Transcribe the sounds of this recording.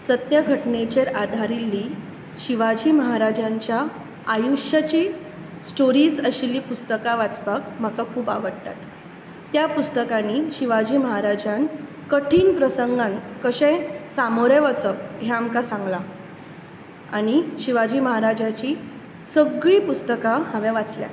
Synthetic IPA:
sət̪jəɡʱəʈnet͡ɕeɾad̪ʱaɾilːiː | ɕiʋad͡ʑiːməɦaɾad͡ʑaɲt͡ɕjaː | juʂjat͡ɕi | sʈoɾiːd͡zəɕilːiːpust̪əkaʋat͡sbakm̤akakʰuːbaʋəɽt̪a̰t̪ː | japust̪əkaniːɕiʋad͡ʑiːməɦaɾad͡ʑãn | kəʈʰiːnpɾəsəŋɡãnkəɕɛ̃samoɾẽʋət͡səɦɛamkasãŋɡla | aɽ̃iɕiʋad͡ʑiːməɦaɾad͡ʑat͡ɕi | səɡɭiːpust̪əkahaʋɛ̃ʋat͡slja̰

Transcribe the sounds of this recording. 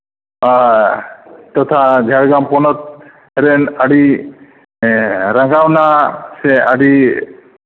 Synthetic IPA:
a | t̪ɔt̪ʰad͡ʒʱaɽɡampɔnɔt̪̚ | ɦɛɾɛnaɽi | ɾaŋɡawnaseaɽi

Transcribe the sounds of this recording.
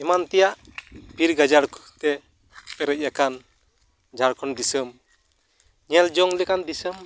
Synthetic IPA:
ɛmant̪ɛjaʔbʱiɾɡad͡ʒaɾkt̪ɛ | pɛɾɛc̚ˀjakan | d͡ʒaɾkʰɔnd̪isɯm | ɲɛld͡ʒɔŋlɛkand̪isɯm

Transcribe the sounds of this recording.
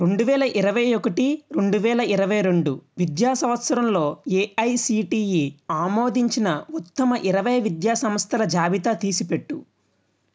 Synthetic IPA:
ɾe̞ɳɖuʋɛːlɐʔiɾɐʋɐjokɐʈiɾe̞ɳɖuʋɛːlɐiɾɐʋɐjɐɾe̞ɳɖuʋid̪jaːsɐmɐt̪sɐɾɐmlo̞ːeːɐjsiːʈiːjiaːmo̞ːd̪iɲt͡ʃinɐut̪ːɐmɐʔiɾɐʋɐjʋid̪jaːsɐmɐst̪ʰɐlɐd͡ʒaːʋit̪at̪iːsipe̞ʈːu

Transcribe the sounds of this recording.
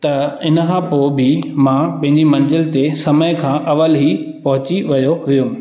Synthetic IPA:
t̪ɐɪnkʰãːpoːbɪmãːpɐ̃ɦɪ̃ɲd͡ʑimɐ̃nd͡ʑəlt̪esɐməjkʰãːʔɐʋəlɦi | pɐɦʊt͡ɕiʋɐjoɦʊjũ

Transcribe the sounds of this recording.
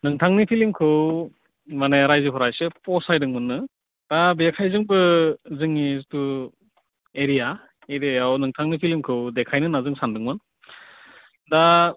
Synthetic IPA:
nɯŋtʰaŋnipʰilimkʰɯw | maneɾajzɯpʰɔɾajsɯpɔsajdɯŋmɯnːɯ | d̥abekʰajzɯŋbɯzɯŋitu | eɾija | eɾiajawnɯŋtʰaŋnipʰilimkʰɯwdekʰajnɯnazɯŋsandɯŋmɯn | da

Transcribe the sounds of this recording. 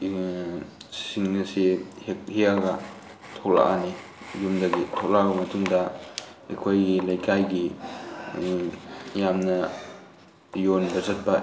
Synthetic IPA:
ssiŋːɐsehekhiaɡa | tʰokla̰ʔa̰ni | jumdɐɡitʰok̚labɐmɐtʰumdɐ | ḛkʰojɡilajkʰajɡi | jamnɐ | jonbɐzɐt̚pa

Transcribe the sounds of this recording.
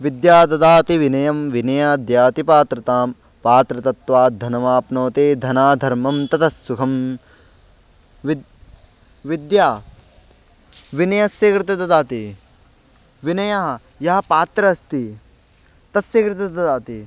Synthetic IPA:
ʋid̪jaːt̪ɐt̪aːt̪iʋinɐjɐmʋinɐjaːd̪jaːt̪ipaːt̪ɾɐt̪aːm | paːt̪ɾɐt̪ɐt̪ʋaːd̪ʱɐnɐmaːpnoːt̪eːd̪ʱɐnaːd̪ʱɐɾmɐmt̪ɐt̪ʰɐsːukʰɐm | ʋ | ʋid̪jaː | ʋinɐjɐsjɐkɾɪt̪ɐt̪ɐt̪aːt̪i | ʋinɐjɐɦɐ | jɐɦɐpaːt̪ɾɐːst̪i | t̪ɐsjɐkɾɪt̪ɐt̪ɐt̪aːt̪i

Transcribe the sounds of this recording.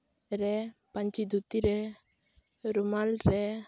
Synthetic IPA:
ɾɛpaɲt͡ʃid̪ut̪iɾɛ | ɾumalɾɛ

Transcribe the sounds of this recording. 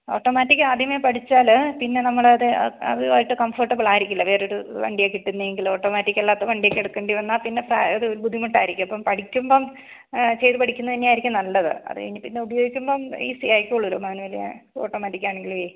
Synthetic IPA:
oːʈːomaːtːikʲːɨaːd̪ʱjɐmepɐʈʰit͡ɕːaːlpinːe̞nɐmːɐɭɐðɨɐ̰ðɨaːjiʈːɨkɐmforʈːɐbɐɭaːjiɾikʲːulːɐʋe̞ːɾeoɾuʋɐ̰ɳɖijekːiʈːunːɐeŋɡilo̞ːʈːoːmaːtːikʲːɐlːaːt̪ːɐʋɐɳɖijekːeɽukːeɳɖiʋɐnːaːpinːe̞pa̰ɐðɨoɾubud̪ʱːimuʈːaːjiɾikʲːumɐpːɐmpɐʈʰikʲːumboːm | t͡ɕe̞jt̪ɨpɐʈʰikʲːunːɐt̪ɐnːejaːjiɾikʲːumnɐlːɐðɨ̰ɐ̰ðɨ̰ʋɐ̰nːipinːeubɐjoːɡikʲːumboːmḭːsijaːjkʲːoɭːulomaːnuʋɐlijɐ̰oːʈːo̞ːmaːtːikʲːaːɳe̞ŋɡilʋi

